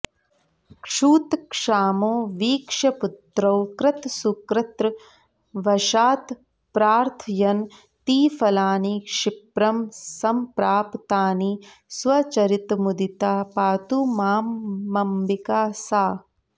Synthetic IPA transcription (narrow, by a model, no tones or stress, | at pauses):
kʂuːt̪kʂaːmoːʋiːkʂɐput̪ɾɐwkɾɐt̪sukɾɐt̪ɾ | ʋɐʃaːt̪ | pɾaːɾt̪ʰɐjɐn | t̪iːfɐlaːnikʂipɾɐmsɐmpɾaːpt̪aːniː | sʋɐt͡ʃɐɾit̪mud̪it̪aːpaːt̪umaːmːɐmbikaːsaː